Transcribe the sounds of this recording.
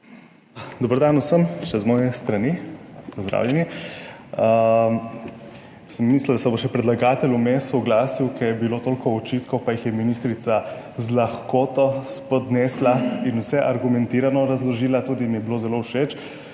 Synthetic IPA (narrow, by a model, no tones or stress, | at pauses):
d̪obəɾd̪anusəmʃɛzmɔːjɛst̪ɾanipɔzd̪ɾa̰wljɛni | səmːiːslad̪asɛbɔʃɛpɾɛd̪laɡaːt̪ɛlumest̪ɔɡlaːsiwkʰɛɾjɛbiloːt̪oːlkɔɔt͡ʃit̪kɔpajixjɛminist̪ɾit̪sa | zlaxkoːt̪ɔspɔd̪nɛːslainusɛʔaɾɡumɛnt̪iːɾanɔɾazlɔʒiːlat̪uːd̪imjɛbiloːzɛlowʃet͡ʃ